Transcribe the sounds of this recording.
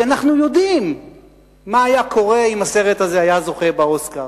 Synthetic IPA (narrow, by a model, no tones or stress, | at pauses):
anaχnujo̞d̪imː | aːjakʰo̞ʁe̞imase̞ʁet̪azeajazo̞χebao̞skaʁ